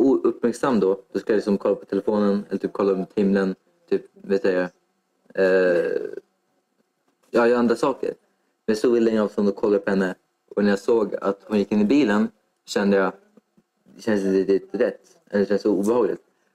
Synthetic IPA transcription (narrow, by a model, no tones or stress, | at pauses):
uːɵpːmæɾksamːd̪ɔd̪̥ɔskɯljalɪksɔmkʰɔlːapʰɔ̥t̪ʰɛlɛfoːnənɛ̰lːəʈ̪ʰyːp̚kʰɔlːadmuːt̪hɪmlən | t̪ʰyːpvɛːt̪sɛja | jɑːjœːand̪ɾasɑːkə̰ɾ | mɛnsɔvɪlːɛɪŋːavst̪and̪ɔkʰɔlːaəpʰɔhɛnːə | ʔɔnæɾjasoːɡa̰t̪hʊnjɪkːɪnːɪbiːlən | ɕɛnd̪əjɑ | d̪ɛɕɛns̬ɪnt̪ːɛt̪ːɾɛt̪ː | mɛld̪ɛɕɛnsɔuːbɛhɑːɡlɪ̰t̪